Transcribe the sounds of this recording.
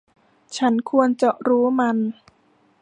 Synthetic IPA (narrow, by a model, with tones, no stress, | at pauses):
t͡ɕʰa˦˥nkʰu˧ənt͡ɕa˨˩ʔɾuː˦˥ma˧n